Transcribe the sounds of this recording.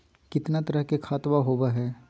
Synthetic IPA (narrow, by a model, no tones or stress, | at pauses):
kɪt̪nat̪ɐɾəɦkekʰaːt̪ʋaɦoːbaɦɛː